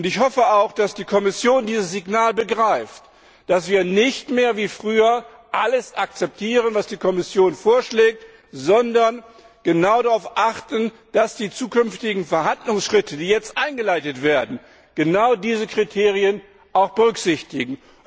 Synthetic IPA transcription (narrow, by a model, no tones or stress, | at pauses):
ʊntɪçhɔfəaʊxd̥asd̥iːkʰɔmɪsjoːndiːzəsz̥ɪɡnaːlbəɡʁaɪft | d̥asv̥iːɐnɪçtmeːɐviːfʁ̥yːɐ | ʔaləsʔak̚t͡sɛp̚tʰiːʁənvasd̥iːkʰɔmɪsjoːnfoːɐʃlɛːk̚t | zɔndɐn | ɡ̥ənaʊdaʁaʊfʔaχtn̩ | d̥asd̥iːt͡suːkʏnftɪɡŋ̩fɛɐɦandlʊŋsʃʁ̥ɪtʰədiːjɛt͡stʔaɪnɡəlaɪtətv̥eːɐdn̩ | ɡ̥ənaʊdiːzəkʁ̥itʰeːʁiən | ʔaʊxb̥əʁʏkz̥ɪçtɪɡŋ̩